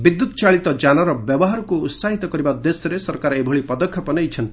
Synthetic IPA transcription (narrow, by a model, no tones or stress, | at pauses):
bid̪ːut̪ɔt͡ʃaɭit̪ɔd͡ʒanɔɾɔbjɔbɔɦaɾɔkuːt̪saɦit̪ɔkɔɾibad̪esjɔɾesɔɾkaɾebʱɔɭipɔd̪ɔkʰjɔpɔnejt͡ʃʰɔnt̪i̥